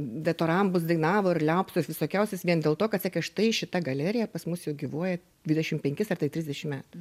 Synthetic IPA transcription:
d̪ʲɛt̪oːɾɐmbʊsd̪ɐɪnɑːʋoːɪɾlʲɛʊpst̪osʋʲɪsoːkʲɛʊsʲɛsʋʲiɛnd̪ʲeːlˠt̪oːkɐt̪sʲɛkʲɛʃt̪ɐɪʃʲɪt̪ɐɡɐlʲæːɾʲɪjɛpɐsmʊsjɛʊɡʲiːʋoɔjɛ | dʲʋʲɪdʲɛʃʲɪmpʲɛŋʲkʲɪsɐrt̪ɐɪt̪ʲɾʲɪzʲd̪ʲɛʃʲɪmmʲæːt̪ʊ

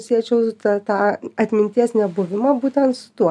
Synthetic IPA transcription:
sʲiɛt͡ʃʲɛʊt̪ɐt̪ɑːɐt̪ʲmʲɪnʲt̪ʲiɛsnʲɛbʊʋʲɪmɐbuːt̪ʲɛnt̪sʊ̥t̪uɔ

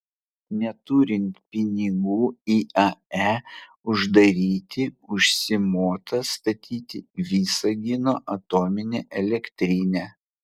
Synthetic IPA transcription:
nʲɛt̪uːɾʲɪnʲt̪ʲpʲɪnʲɪɡuːiːɐæː | ʊʒd̪ɐɾʲiːt̪ʲɪʊʃʲsʲɪmuːt̪ʰɐst̪ɐt̪ʲʰiːt̪ʲɪʋʲiːsɐɡʲɪnoːʔɐt̪oːmʲɪnʲeʔɛlʲɛkʲt̪ʲɾʲinʲɛː

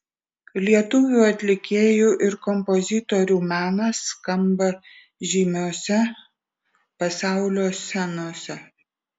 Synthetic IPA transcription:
lʲiɛt̪ʊʋʲuːɐt̪ʲlʲɪkʲeːjuːʔɪɾkɔmpɔzʲɪt̪ɔɾʲuːmʲæːnɐskɐmbɐ | ʒʲiːmʲoːsʲɛ | pɐsɑˑʊlʲoːsʲɛnoːsʲɛ

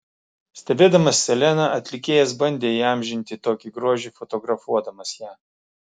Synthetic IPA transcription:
sʲt̪ʲɛbʲeːd̪ɐmɐsːʲɛlʲɛnɐʔɐt̪ʲlʲɪkʲeːjɛsbɐnʲd̪ʲeːiːɑˑmʲʒʲɪnʲt̪ʲɪt̪oːkʲiɡɾuɔʒʲɪːfɔt̪ɔɡɾɐfuɔd̪ɐmɐsjæː

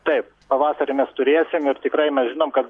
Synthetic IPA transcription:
t̪ɐɪp̚ | pɐʋɑːsɐɾʲɪmʲɛst̪ʊɾʲeːsʲɪmɪɾt̪ʲɪkɾɐɪmʲɛsʒʲɪnoːmkɐt̪

